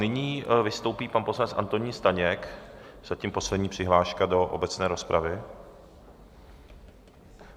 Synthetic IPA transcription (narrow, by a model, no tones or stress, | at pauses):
nɪɲiːvɪst̪o̞wpiːpanpo̞slanɛt͡sʔa̰nt̪oɲiːnst̪aɲɛkz̥aciːmpo̞slɛdɲiːpr̝̥ɪɦlaːʃkado̞ʔo̰bɛt͡snɛːɾo̞spɾʔavɪ